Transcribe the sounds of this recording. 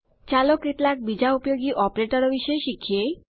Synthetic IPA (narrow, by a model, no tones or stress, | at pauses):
t͡ɕalokɾit̪lak̚bid͡ʑaupjoɡiʔɔpɾeʈoɾobiʃɔeʃikʰːie